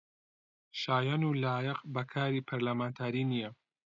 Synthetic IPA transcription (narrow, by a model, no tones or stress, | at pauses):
ʃaːjɐnuːlaːjɐqbɐkʰaːɾiːpʰɐɾlamaːnt̪ʰaːɾiːnijɐ